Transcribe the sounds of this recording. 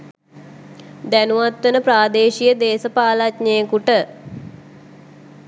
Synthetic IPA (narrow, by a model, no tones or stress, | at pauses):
d̪ænuʋat̪ʋənəpraːd̪eːʃijəd̪eːsəpaːlatɲəjəkuʈə